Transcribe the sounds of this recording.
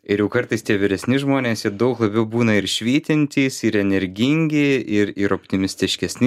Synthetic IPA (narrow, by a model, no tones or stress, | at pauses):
ɪɾjɛʊkɐɾt̪ɐɪst̪ʲiɛʋʲɪɾʲɛsʲnʲɪʒmoːnʲeːsjɪd̪ɐʊklˠɐbʲɛʊbuːnɐɪɾʃʲʋʲiːt̪ʲɪnʲt̪ʲiːsɪɾɛnʲɛɾʲɡʲɪŋʲɡʲɪɪɾɪɾopʲt̪ʲɪmʲɪsʲt̪ʲɪʃʲkʲɛsʲnʲɪ